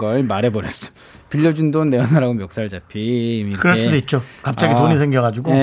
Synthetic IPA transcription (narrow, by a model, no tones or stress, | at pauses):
ʌɭmaɾɦe̞bʌɾjʌs͈ʌ̥ | piʎːʌd͡ʑundonːe̞ʌnaɾaɡomjʌk̚s͈aɭd͡ʑapʰiːmiiɾkɯɾʌɭs͈udoit̚t͡ɕ͈okap̚t͡ɕaɡitoɲisʰeŋɡjʌɡad͡ʑuɡoe